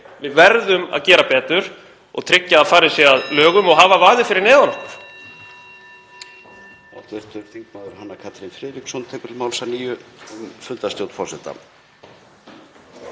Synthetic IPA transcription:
vɪðvɛɾðʏma̰ðcɛːɾapɛːt̪ʏɾ̥ | ɔ̰ɣt̪ʰɾɪcːaːðfaːɾɪsjɛaðlœːɣʏmɔɣɦaːvavaːðɪfɪɾɪɾnɛːðanɔhkʏ̥ɾ̥ | aw̥t̪vɪr̥t̪ʏɾ̥θiŋk̚maːðʏɾ̥hanːakʰat̪ɾinfɾɪːɾiksɔnt̪ʰɛːkʏɾɪlmawlsaniːjʏʏmfʏlt̪ast̪jowt̪fɔsɛt̪a̰

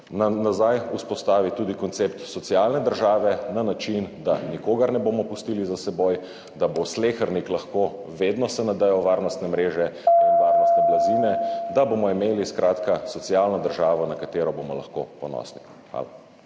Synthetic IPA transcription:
nazajuspɔst̪aːʋit̪uːd̪ikɔnt̪seːpt̪sɔt̪sialnɛd̪əɾʒaːʋɛnanat͡ʃind̪anikoːɡaɾnɛboːmɔpust̪ilizasɛboj | d̪abosleːxəɾniklaxkoː | ʋeːd̪nɔsɛnad̪əjɔʋaɾnɔst̪nɛmɾeːʒɛanɛʋaːɾnɔstt̪nɛblaziːnɛd̪aboːmɔimeːliskɾʔaːt̪kasɔt̪sijaːlnɔd̪əɾʒaːʋɔnakat̪eːɾɔbomɔla̰xko̰pɔnɔ̰sni | xʋa̰ːla̰

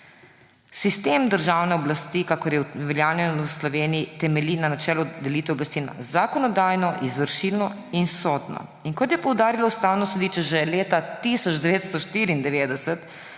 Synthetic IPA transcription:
sist̪eːmd̪əɾʒawnɛɔblast̪ikakɔɾjɛʋɛljaːwnjɛnslɔʋeːniit̪ɛmɛlinanat͡ʃɛːlɔd̪ɛlit̪ʋɛɔblast̪ina̰zakɔnɔd̪aːjnɔʔizʋəɾʃilnɔ | insɔd̪nɔ̰ | iŋkɔt̪jɛpɔwd̪aːɾilɔust̪aːwnɔsɛd̪iːt͡ʃɛʒɛleːt̪at̪isɔd͡ʒd̪ɛʋeːt̪st̪ɔʃt̪iːɾiːnd̪ɛʋeːd̪ɛsɛt̪

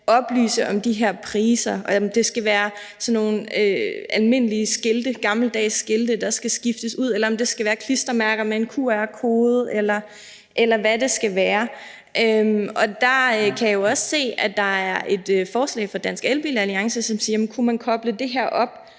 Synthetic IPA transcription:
ʔɒ̽b̥ly̰ːsəʔɒ̽md̥iɦeɐ̰pʰʁiːsɐmd̥e̝sɡ̥æʋæːɐ | sɒ̽nːo̝ːnøælme̝n̰əliəsɡ̥e̝ld̥əɡ̥ɑ̈ml̩d̥ɛ̰ːɪsːɡ̥e̝ld̥əd̥ɑ̈sɡ̥æsɡ̥ifd̥əsuð̞̰ˠelɐɒ̽md̥e̝sɡ̥æʋæːɐkʰlisd̥ɐmæɐɡ̥ɐmee̝nkʰṵɐ̰æɐkʰo̝ːð̞̩ˠelɐ | ʔelɐʋæde̝sɡ̥æʋæːɐ | ʔømɒ̽d̥ɑ̈kʰæjo̝ɒ̽sse̝̰ːæd̥ɑ̈æɐʔe̝d̥øfɒːslɛ̰ɪfɒ̽d̥æn̰sɡ̥elb̥ilæliɑ̈ŋsəsɒ̽msiːɐmnkʰumænkʰɒ̽b̥ləd̥e̝ɦeɐ̰ʔɒ̽b̥

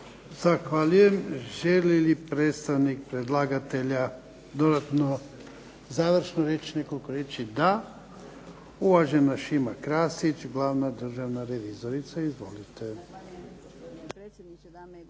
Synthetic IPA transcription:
z̥axʋaʎuje̞mʒelilipɾeːt̪st̪aʋnik̚pɾed̪lˠaːɡat̪e̞ʎa | d̪o̞d̪at̪no | zaːʋr̩ʃnoɾet͡ʃine̞ko̞likoɾet͡ʃid̪a | uʋaʒenaʃimakɾaːsit͡ʃɡlaːʋnad̪r̩ʒaʋnaɾeʋiːzo̞ɾit̪saizʋo̞lit̪e

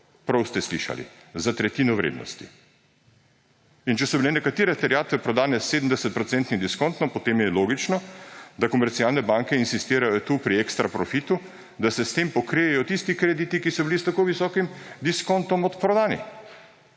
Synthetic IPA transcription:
pɾɐwst̪ɛslḭʃa̰lḭ | zat̪ɾɛt̪iːnɔʋɾḛːd̪nɔ̰st̪ḭ | int͡ʃɛsɔbilɛnɛkat̪eːɾɛt̪ɛɾijaːt̪ʋɛpɾɔd̪aːnɛseːd̪md̪ɛsɛt̪̚pɾɔt̪sɛnt̪nid̪iskɔnt̪nɔpɔt̪eːmjɛloːɡit͡ʃnɔd̪akɔmɛɾt̪siaːlnɛbaŋkɛinsist̪eːɾajɔt̪uːpɾiekst̪ɾapɾɔfit̪u | d̪asɛst̪empɔkɾejɛjɔt̪ist̪ikɾɛd̪it̪ikisɔbilist̪akoʋisɔːkimd̪iskɔnt̪ɔmɔt̪pɾɔd̪aːnḭ

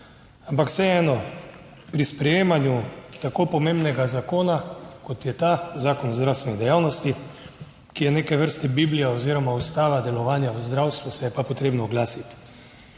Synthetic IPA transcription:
ampaksɛɛːnɔ | pɾispɾɛjeːmanjut̪akoːpɔmembnɛɡazakoːnakɔt̪jɛt̪azaːkɔnɔzd̪ɾawst̪ʋɛnid̪ɛjaːwnɔst̪i | kijɛneːkɛʋəɾst̪ɛbiblijɛoziːɾɔmaust̪aːʋad̪ɛlɔʋaːnjauzd̪ɾawst̪ʋusɛjɛpapɔt̪ɾeːbnɔːɡlaːsit̪

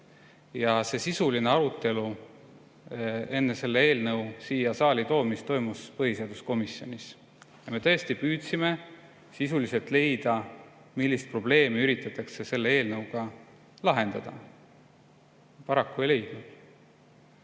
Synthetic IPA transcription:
jɑse̞sisuline̞ɑɾut̪ːe̞lu | e̞nːese̞lːee̞ːlnɤwsiːjɑsɑːlʲit̪o̞ːmist̪o̞jmuspɤɦiseɑd̪̥usko̞misːjo̞̰nʲis | jɑme̞t̪ɤest̪ipyːt̪sime̞ | sisulise̞lt̪ˑle̞jd̪̥ɑ | milːist̪̚pro̞b̥le̞ːmiyɾit̪ːˑɑt̪ːˑɑkse̞se̞lːe̞e̞ːlnɤwɡ̥ɑ | lɑɦe̞nd̪̥ɑd̪̥ɑ̰ | pɑɾɑkːuejle̞jd̪̥nud̪̥

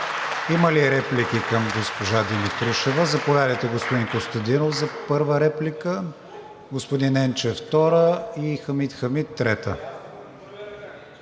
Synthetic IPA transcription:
iməliɾɛplikikɐmɡospoʒad̪imit̪ɾuʃɛvəzɐpovʲjad̪əjt̪ɛɡospod̪inkost̪ɐd̪inofzɐpɤɾvəɾɛplikə | ɡospod̪inɛnt͡ʃɛft̪ɔɾəixəmit̪xɐmit̪ːɾɛt̪ə

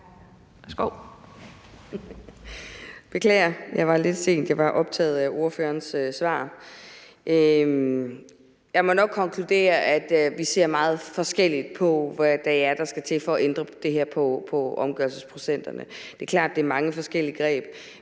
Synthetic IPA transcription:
sɡ̥oʊ̰ | b̥e̝kʰlɛ̰ːɐjɑ̈ɪʋɑ̈le̝d̥se̝̰ːnd̥jɑ̈ɪʋɑ̈ʔɒ̽b̥̚t͡sʰɛ̰ːð̩ˠæʔo̝ɐføːɐnsøsʋɑ̰̈ː | ʔø | jɑ̈ɪmɒ̽nɒ̽ɡ̥̚kʰːɒ̽ŋkʰlud̥e̝̰ːɐʔæd̥ʋise̝ɐ̰mɑ̈ːð̞̩ˠfɒ̽sɡ̥el̰id̥̚pʰɒ̽ʋæd̥ææɐd̥ɑ̈sɡ̥æt͡sʰe̝fɒ̽ːʔend̥ʁɐd̥e̝ɦɛɐ̰pʰɒ̽pʰɒ̽ʔɒ̽mɡ̥ɶɐlsəspʰʁo̝sen̰d̥ɐnəd̥e̝ɐkʰlɑ̈ːd̥̚d̥e̝æɐmɑ̈ŋəfɒ̽sɡ̥el̰iəɡ̥ʁɛ̰ːb̥̚

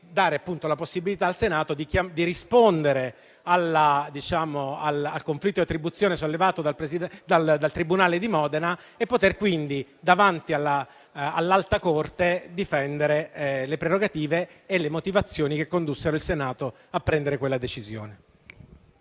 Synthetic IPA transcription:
d̪aːɾeapːunt̪olaposːibilit̪aːlsenaːt̪od̪ikamd̪iɾispond̪eɾe | alad̪it͡ʃaːmoalalkoɱflit̪ːojat̪ɾibut̪sːjoːnesolːevaːt̪od̪alpɾesid̪ald̪alt̪ɾibunaːled̪imɔːd̪ena | epːot̪erkwind̪id̪avant̪ialːa | alːalt̪akort̪ed̪ifɛnd̪eɾelepɾeroɡat̪iːveːlːemot̪ivat̪sːjoːnikekːond̪usːeɾoilsenaːt̪o | apːɾɛnd̪eɾekwelːad̪et͡ʃizjo̰ːne

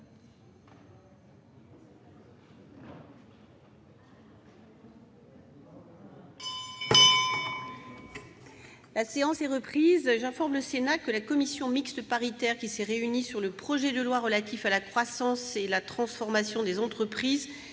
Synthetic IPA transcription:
laseɑ̃sɛʁəpχizʒɛ̃fɔʁmləsenakəlakɔmisjɔ̃mikst̪əpaʁit̪ɛʁkʲisɛʁeynisyʁləpχɔʒɛd̪əlwaʁəlat̪ʰifalakχwasɑ̃selat̪χɑ̃sfɔʁmasjɔ̃d̪ezɑ̃t̪χəpχiz

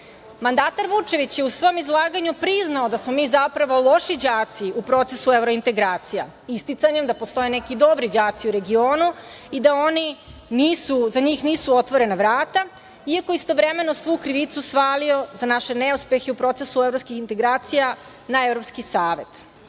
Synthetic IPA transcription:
mand̪aːt̪aɾʋut͡ʃe̞ʋit͡ɕjeusʋo̞mizlˠaːɡaɲupɾiznaod̪asmo̞miːzapɾaʋo̞lˠo̞ʃid͡ʑaːt̪siupɾo̞t̪esue̞vɾoint̪e̞ɡɾaːt̪sija | ist̪it̪saɲemd̪apost̪o̞jene̞kid̪o̞bɾid͡ʑaːt̪siuɾe̞ɡio̞ːnu | id̪ao̞niniːsuzaɲiːxniːsuo̞t̪ʋoɾe̞naʋɾaːt̪a | iako̞ist̪o̞ʋɾe̞me̞no̞sʋukɾiʋit̪susʋaːlio̞zanaʃe̞ne̞uspje̞xeupɾo̞t̪sesuevɾopskixint̪e̞ɡɾaːt̪sija | naevɾopskisaːʋe̞t̪

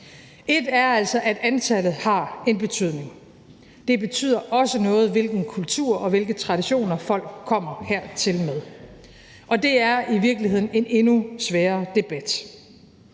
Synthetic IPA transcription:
ʔe̝d̥æɐæl̰sɒ̽ʔæd̥ænt͡sʰælð̩ˠhɑ̈e̝nb̥e̝t͡sʰyð̞̰ˠne̝ŋ | d̥e̝be̝t͡sʰy̰ð̰ˠɐʔɒ̽sənɔ̽ːð̞̩ˠʋe̝lɡ̥n̩kʰult͡sʰṵɐ̰ɒ̽ʋe̝lɡ̥ət͡sʰʁɑ̈d̥iɕo̝̰ːnɐfɒ̽l̰ɡ̥̚kʰːɒ̽m̰ɐheɐ̰t͡sʰe̝lmeð̞ˠ | ʔɒ̽d̥e̝æɐʔiʋiɐɡ̥lihe̝ð̰ˠn̩e̝ne̝nusʋæːɐd̥e̝b̥æd̥

